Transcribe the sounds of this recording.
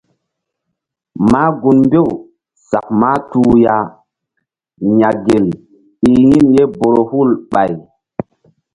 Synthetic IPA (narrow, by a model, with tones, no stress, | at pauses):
maː˦ɡu˨nmbe˦˨w | sa̰˨k̚maː˦tuː˨ja˨ | ɲa˨ɡe˨l | i˨ji˦nje˦bo˨ɾo˨hu˦˨lɓa˨j